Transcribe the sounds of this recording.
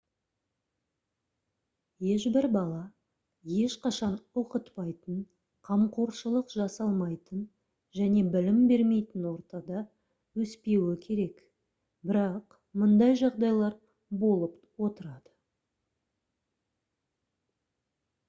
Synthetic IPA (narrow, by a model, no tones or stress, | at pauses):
je̞ʃbɪɾbɑlˠɑ | je̞ʃqɑʃɑnoqət̪pɑjt̪ən | qʰɑmqʰoɾʃəlˠəqʒɑsɑlˠmɑjt̪ən | ʒæne̞bɪlɪmbe̞ɾme̞jt̪ɪnwo̞ɾt̪ɑd̪ɑ | wɵspe̞wɪkʲʰe̞ɾe̞k | bɪɾɑq | mʊnd̪ɑjʒɑʁd̪ɑjlˠɑɾ | bo̞lˠəp | wo̞t̪əɾɑd̪̥ə